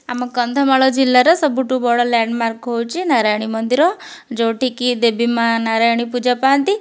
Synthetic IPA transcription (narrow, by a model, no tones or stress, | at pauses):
amɔkɔnd̪ʱɔmaɭɔd͡ʒilːaɾɔsɔbuʈubɔɽɔlɛɳɖmaɾkɦowt͡ʃʰinaɾajɽ̃imɔnd̪iɾɔ | d͡ʒoʈikid̪ebʱimãnaɾajɽ̃ipud͡ʒapaant̪i